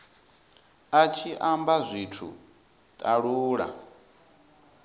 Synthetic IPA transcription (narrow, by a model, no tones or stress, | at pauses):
at͡ʃʰiʔambazʷitʰṵ | tʼaɺuːɺa̰